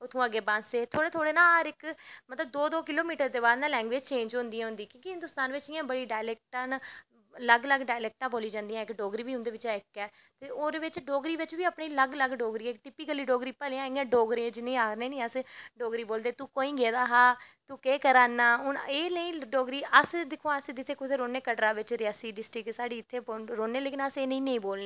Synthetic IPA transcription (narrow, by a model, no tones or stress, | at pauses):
ʊt̪ʰːũːəɡeːbãːnseːt̪ʰoːɽeːt̪ʰoːɽeːnãːəɾɪkmət̪ləb̚d̪oːd̪oːkɪloːmiːʈəɾd̪eːbaːd̪nãːlɛ̃ːŋɡʋeːd͡ʒt͡ʃẽːnd͡ʒɦʊ̃ːnd̪iãɦʊ̃nd̪iːkjõːkiɦɪ̃nd̪ʊst̪aːnʋɪt͡ʃɪjãːbəɽiːɖaːɪlɛːk̚ʈãːnː | ləɡləɡɖaːɪlɛːk̚ʈãːboːliːd͡ʒãːnd̪iːjãːɪkɖoːɡɾiːʋiːʊnd̪eːʋɪt͡ʃaːɪkːɛː | t̪eːoːɾeʋɪt͡ʃɖoːɡɾiːʋɪt͡ʃʋiːəpɳiːləɡləɡɖoːɡɾiːɛːkʈɪpiːkəliːɖoːɡɾiːpɛːlːãːɪ̃ɡãːɖoːɡɾeːd͡ʒɪnẽːaːɾnẽːnĩːəsɖoːɡɾiːboːld̪eːt̪uːkoːĩːɡeːd̪aːɦaːt̪uːkeːkəɾaːnːaːʊneːnəĩːɖoːɡɾiːʔəsd̪ɪkʰːõːəsd̪ɪt̪ʰeːkʊt̪ʰeːɾoːneːkəɖɾãːʋɪt͡ʃɾɪaːsiːɖɪsʈɾɪksaːɖiːɪt̪ʰːeːboɾoːneːleːkɪnəseːnə̃ĩːnə̃ĩːboːlneː